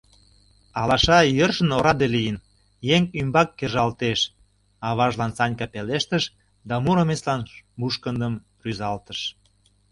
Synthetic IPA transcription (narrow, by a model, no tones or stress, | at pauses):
ɑlɑʃɑjərʃənoɾɑd̪elijən | jeŋymbɑkːeʒɑlt̪eʃ | ɑβɑʒlɑnt͡sɑnʲkɑpeleʃt̪əʃ | d̪ɑmuɾəmeslɑnmuʃkənd̪əm | ryzɑlt̪əʃ